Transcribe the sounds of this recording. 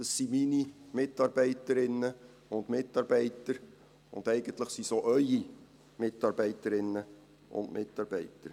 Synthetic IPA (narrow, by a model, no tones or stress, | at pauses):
d̥ɑssiminimɪtːɑɾb̥ɛɪtəɾɪnːə | ʊndmɪtːɑːɾbɛɪtəɾ | ʊ̰nd̥̪ɛɪɡ̥əntləχsisoːʔœʏi | mɪtːɑɾbɛɪtəɾɪnːə | ʊ̰ndmʔɪtːɑːɾb̥ɛɪtəɾ